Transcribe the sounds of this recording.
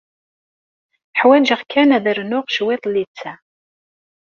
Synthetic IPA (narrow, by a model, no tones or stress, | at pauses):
ħwænʒəʁkʰænæðəɾnʊʁʃwet̪ˤlːit͡sːæ